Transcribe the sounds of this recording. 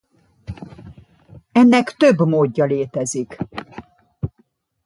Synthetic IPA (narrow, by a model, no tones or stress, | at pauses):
ɛnːɛkt̪øbmoːɟːɒleːt̪ɛzik